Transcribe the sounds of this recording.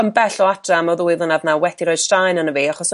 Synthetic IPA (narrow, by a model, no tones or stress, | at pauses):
əmbɛɬɔatʰamɔðʊːɨðənavnawɛd̥iɾɔɨd̥strajnənəviːaχɔs